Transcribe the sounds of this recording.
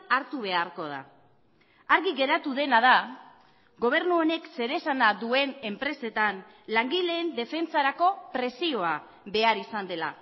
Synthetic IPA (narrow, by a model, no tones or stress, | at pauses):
aɾt̪uβ̞e̞aɾko̞ð̞a̰ | aɾɣiɣe̞ɾat̪uðe̞naða | ɡo̞β̞e̞ɾnuone̞kse̞ɾe̞sanaðue̞ne̞mpɾe̞se̞t̪an | laŋɡile̞ːnd̪e̞fe̞nt͡saɾako̞pɾe̞sio̞a | βe̞aɾisand̪e̞la̰